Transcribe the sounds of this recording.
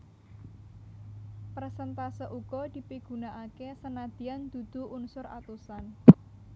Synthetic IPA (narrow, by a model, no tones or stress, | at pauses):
pərsənt̪asɔʔuɡ̥ɔd̪̥i̤piɡ̥ṳnaʔakesənad̪̥i̤and̪̥ṳd̪̥ṳʔunsʊɾa̰t̪usan